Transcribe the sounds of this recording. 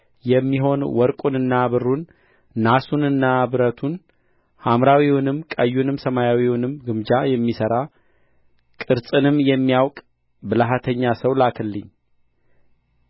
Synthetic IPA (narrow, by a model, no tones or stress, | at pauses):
jɛmːiɦo̞nwɔɾkʼunɨnːaβɨɾunː | asunɨnːaβɨɾət̪ʰun | hamɾawiwʊnɨmkʼəjːunɨmsəmajawiwʊnɨmɡɨmd͡ʒajɛmːisəɾa | kʼɨɾt͡sʼɨnɨmjɛmːijawkʼ | bɨlaɦat̪ʰəɲːasəwlakʰɨlːɨɲː